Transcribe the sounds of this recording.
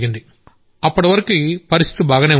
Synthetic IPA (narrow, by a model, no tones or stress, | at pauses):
ɡind̪i | ɐpːɐɽɐʋɐɾɐkipɐɾist̪i̥t̪ibaːɡɐne̞ː